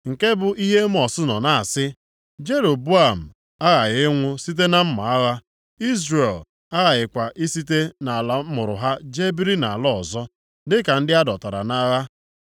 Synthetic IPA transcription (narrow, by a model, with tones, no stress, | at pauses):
ŋ̩˨ke˦bʊ˨i˦ɦe˦m̩˦ɔ˨sʊ˦nɔ˨na˦a˨sɪ˦ | d͡ʒe˦ɾo˨bu˦a˨m̩˨ | a˦ɣa˨ɣɪ˦ŋʷʊ˦si˦t̬e˦na˦m̩˦ma˨a˦ɣa˦ | i˦zɾe˨l | a˦ɣa˨ɣɪ˨kʷa˨ʔi˦si˦t̬e˦na˨la˨˦mʊ˨ɾʊ̰˨ɦa˦d͡ʒe˦bi˦ɾi˦na̰˨lɔ˦ɔ˨zɔ˦ | dɪ˦ka˨n̩˦dɪ˦a˦dɔ˨ta˨ɾa̰˨na˦ɣa˦